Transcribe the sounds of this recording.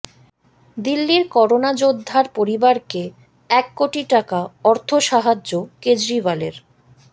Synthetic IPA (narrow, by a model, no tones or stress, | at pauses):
d̪ilːiɾkɔɾonad͡ʑod̪ʱːaɾpoɾibaɾke | ɛkːoʈiʈakaɔɾt̪ʰoʃaɦad͡ʑːoked͡ʑɾivaleɾ